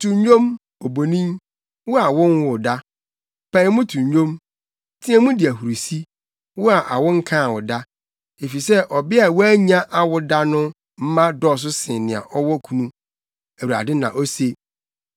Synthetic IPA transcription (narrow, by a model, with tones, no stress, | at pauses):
tʰũ˨ɲ˦ɲᶣõ˦m | o˨bo˨nĩ˦m | wʊ˦a˨wɔ̃˦nwʊ˨da˦ | pʰa˨˦mʊ̃˦tʰũ˨ɲ˨ɲᶣõ˦m | tʰĩ˦ɛ̃˦mũ˦dɪ˨æ˨hu˨ɾi˨si˦ | wʊ˦a˨ʔa˨wʊ˦ŋ̩˦kʰã˦˨wɔ˨da˦ | e˨fi˨sɛ˦ʔɔ˨bɪ˦a˨wɔ˦æ˦ɲã˦ʔa˨wʊ˨˦da˦nʊ̃˦ | m̩˦mã˦dɔ˦˨s̬ʊ˦sɪ̃˨nɪ̃˨a̰˨ʔɔ˦wɔ˦kʰu˨nũ˦ | æ˨u˨ɾa̰˨dɪ˦nã˨ʔɔ˦se˨